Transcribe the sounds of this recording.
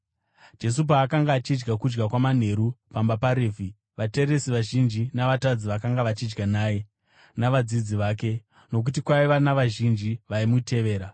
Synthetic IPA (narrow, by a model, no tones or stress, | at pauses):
d͡ʒe̞s̬up̬aːkaŋɡaːt͡ʃid͡ʒɡakud͡ʒɡakwaman̤e̞ɾupambapaɾeːvʱi | ʋate̞resiʋaʒind͡ʒinaʋatad͡ziʋakaŋɡaʋat͡ʃid͡ʒɡanaːje̞ | naʋad͡zid͡ziʋaːke̞ | no̞k̬ut̬ikwaiʋanaʋaʒind͡ʒiʋaimutʰe̞ʋe̞ːɾa